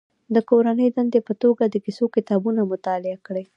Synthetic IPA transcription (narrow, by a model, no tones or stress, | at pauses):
d̪əkoɾanəjd̪and̪epət̪oɡad̪əkɪsokɪt̪ɑbunamʊt̪ɑlɪakɽəj